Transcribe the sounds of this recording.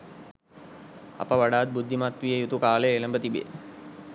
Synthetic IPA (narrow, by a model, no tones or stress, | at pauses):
ɐ̰pɐʋɐɽaːd̪̚bud̪ʱːimaːt̪ʋijɐjut̪ukaːleeːlɐmbɐt̪ibḛː